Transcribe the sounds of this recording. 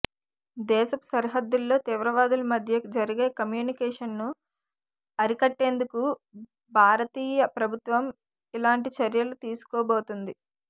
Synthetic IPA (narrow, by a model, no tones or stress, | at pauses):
d̪ɛːʃɐsɐɾɦɐd̪ːulːo̞ːt̪iːʋɾɐʋaːd̪ulɐmɐd̪ʱjɐd͡ʒɐɾiɡe̞ːkɐmjuːnikɛːʂɐnːu | ɐɾikɐʈːe̞ːnd̪uku | bʱaːɾɐt̪iːjɐpɾɐbʱut̪ʋɐm | ilaːɳʈit͡ʃɐɾjɐlut̪iːsu̥koːbo̞ːt̪und̪i